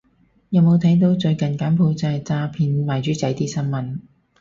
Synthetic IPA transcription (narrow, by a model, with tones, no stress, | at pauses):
jɐ˨˧wmo˨˧wt̪ʰɐ˨˥jt̪̬o˧wt͡ʃɵ˧ɥkɐ˨nkaː˨˥npʰo˧wt͡sɐ˧˨t͡saː˧pʰiː˨˧nmaː˨jt͡ʃyː˨˥t͡sɐ˨˥jt̪iː˥sɐ˥nmɐ˨n